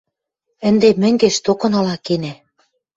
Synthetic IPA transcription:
ɘ̆nd̪emɘ̆ŋɡeʃt̪okɤ̆nɤ̆lɑkenæ

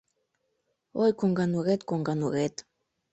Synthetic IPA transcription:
ojkoŋɡanuɣet̪koŋɡanuɣet̪

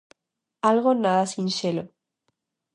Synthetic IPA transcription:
alɣonaðasinʃelo

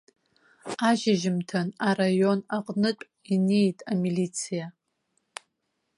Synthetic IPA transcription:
aʒɪʒɪmtʰanaɾajo̞naqʼnɨt͡pʼ | inejtʼamilit͡sʰija

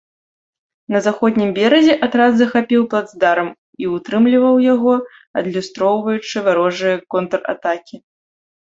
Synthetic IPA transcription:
nɐzaxɔd̪ʲnʲimbʲɛɾɐzʲɛʔat̪ɾazːɐxapʲiwplˠad̪zd̪aɾɐm | iut̪ɾɨmlʲivɐwjaɣɔ | ɐd̪lʲust̪ɾɔwvɐjut͡ʂɨvaɾɔʐɨjɐkɔnt̪ra̰t̪akʲi

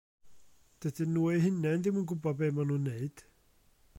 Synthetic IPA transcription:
d̥ədɨnuːiɦɪnɛndɪmunɡʊbɔdbemanuːnːeɨd̥

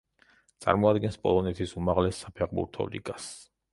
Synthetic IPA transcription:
t̪sʼa̰ɾmɔad̪ɡɛnspʼɔ̰lˠɔnɛt̪ʰisumaʁlɛsːapʰɛʁbṵɾt̪ʰɔ̰lḭkʼas

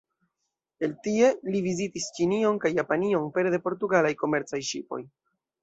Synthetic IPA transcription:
e̞ltie̞livizitist͡ʃinio̞nkajːapanio̞npe̞ɾde̞po̞ɾtuɡalajko̞me̞ɾt͡sajʃḭpo̞̰j

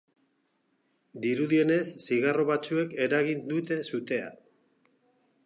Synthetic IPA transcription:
d̪iɾuðie̞ne̞sːiɣ̞aro̞βat͡sue̞ke̞ɾaɣind̪ut̪e̞sut̪e̞a̰

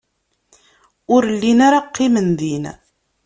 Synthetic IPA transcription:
ʊɾəlːinaɾaqʰːimənðin

